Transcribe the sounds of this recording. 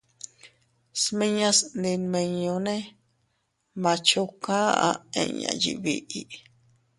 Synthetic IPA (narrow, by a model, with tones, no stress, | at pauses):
smĩ˦ɲã˧snd̪i˧nmẽ˧ɲõ˧nẽ˦ | mã˧t͡ʃo˧ka˦ʔa̰˧ḛ̃˧ɲã̰˨˧jḭ˨βi˧ʔi˧